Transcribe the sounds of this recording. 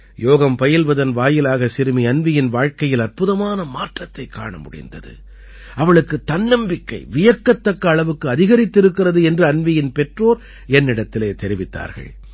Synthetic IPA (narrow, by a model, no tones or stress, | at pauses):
joːɣɐmpɐjɪlʋɐðɐnʋaːjɪlaːɣɐsɪɾɯmiɐnʋɪjɪnʋaːɻkɐjɪlɐrpɯðɐmaːnɐmaːʈrɐt̪ːɐɪkːa̰ːɳɐmʊ̰ɽɪ̰nd̪ɐ̰ðɯ̰ | ʔɐʋɐɭɯkːɯt̪ːɐnːɐmbɪkːɐ̰ɪʋɪjɐkːɐt̪ːɐkːɐːɭɐʋɯkːɯɐðɪɣɐɾɪt̪ːɪɾɯkːɪrɐðɯɛndrɯɐnʋɪjɪnpɛʈroːɾ | ɛnːɪɽɐt̪ːɪleːt̪ɛɾɪʋɪt̪ːa̰ːɾɣɐ̰ɭ